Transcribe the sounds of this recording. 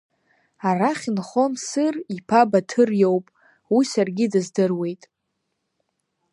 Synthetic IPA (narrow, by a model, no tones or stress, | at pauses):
araχʲinχo̞msɨripʰabatʰɨrjowpʼ | wisarɡʲidɨzdɨrwe̞jtʼ